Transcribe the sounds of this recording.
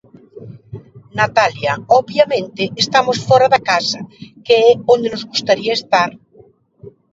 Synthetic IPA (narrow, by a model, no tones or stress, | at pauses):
nat̪aljaoβjamẽnt̪eːst̪amosfoɾaðakasakeɛõnd̪enozɣust̪aɾiaest̪aɾ